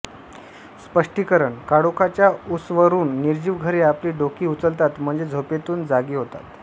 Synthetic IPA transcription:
spəʂʈikəɾəɳkaɽokʰat͡ɕjausʋəɾuːnːiɾd͡ʑiːʋɡʱəɾeapliːɖokiːut͡səlt̪at̪m̤əɳd͡zed͡zʱopet̪uːnd͡zaɡiːɦot̪a̰t̪

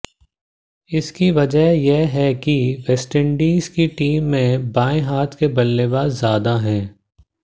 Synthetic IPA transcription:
ɪskiʋɐd͡ʒəɦjeɦɛkiʋɛsʈɪ̃ɳɖiːzkiʈiːmːẽbaːẽɦaːt̪ʰkebɐlːeːbaːzjaːd̪aɦɛ̃ː

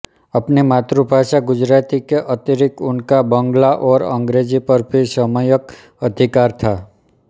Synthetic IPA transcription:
ɐpnemaːt̪ɾubʱaːʃaɡʊd͡ʒɾaːt̪ikeʔət̪ɪɾɪkʊnkabə̃ŋɡlaʔɔːɾə̰̃ŋɡɾeːd͡ʒipəɾbʱisəməjək | əd̪ʱɪkaːɾt̪ʰaː

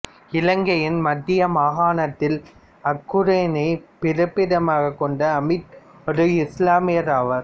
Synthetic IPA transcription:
ɪlɐŋɡɐjɪnmɐd̪ːɪjɐmaːɣaːnɐt̪ːɪl | ɐkːʊɾeːnɐɪpɪɾɐpːɪɽɐmaːɣɐkːɔɳɖɐːmɪt̪ | ɔɾɯɪslaːmɪjɐɾaːʋɐɾ

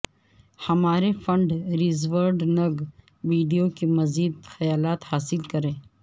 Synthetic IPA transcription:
hɐmaːɾefɐ̃ɳɖɾizʋəɾɖnɐɡ | ʋiːɖijokimɐziːd̪xɐjaːlaːt̪haːsɪlkɐɾẽː

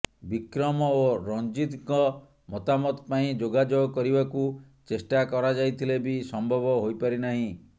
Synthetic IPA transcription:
bikɾɔmɔoɾɔnd͡ʒid̪kɔ | mɔt̪amɔt̪paĩd͡ʒoɡad͡ʒoɡɔkɔɾibaku | t͡ʃesʈakɔɾad͡ʒajt̪ʰilebisɔmbʱɔbɔɦojpaɾinaɦĩ

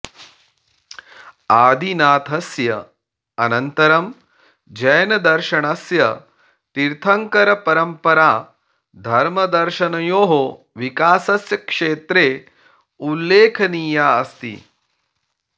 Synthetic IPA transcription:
aːd̪ʱinaːt̪ʰɐsjɐ | ɐnɐnt̪ɐɾɐm | d͡ʒɐjɐnɐd̪ɐɾʃɐɳɐsjɐ | t̪iɾt̪ʰɐŋkɐɾɐpɐɾɐmpɐɾaː | d̪ʱɐɾmɐd̪ɐɾʃɐnɐjoːɦo | ʋikaːsɐsjɐkʂeːt̪ɾeː | ulːeːkʰɐniːjaːɐst̪ḭ

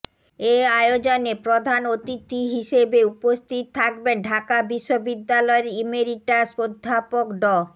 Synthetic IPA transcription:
eajod͡ʑonepɾod̪ʱanot̪it̪ːiɦiʃebeupost̪ʰit̪t̪ʰːak̚benɖʱakabiʃːobid̪ːalɔeɾimeɾiʈasod̪ʱːapokɖɔ

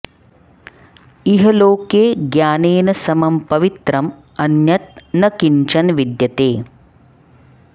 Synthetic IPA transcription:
iɦɐloːkeːɡjaːneːnɐsɐmɐmpɐʋit̪ɾɐm | ɐnjɐt̪̚nɐkiɲt͡ʃɐnʋid̪jɐt̪eː

